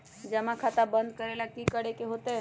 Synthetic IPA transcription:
d͡ʒəmãkʰat̪abə̃nd̪̚kəɾelakikəɽekeɦot̪e

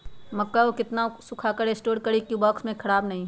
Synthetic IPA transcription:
mɐkːaokɪt̪nasʊkʰakəɾesʈoːɽkəɾikubɔːksmẽkʰɐɽaːbnɐɦĩː

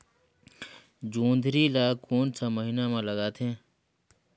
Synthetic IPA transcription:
d͡ʒũːnd̪ʱɾiːlaːkuːnsaːməɦiːnãːmãːləɡaːt̪ʰẽː

